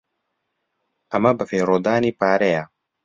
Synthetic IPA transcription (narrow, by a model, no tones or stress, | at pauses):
ɐmɐbɨfeːɾoːd̪aːniːpaːɾejɐ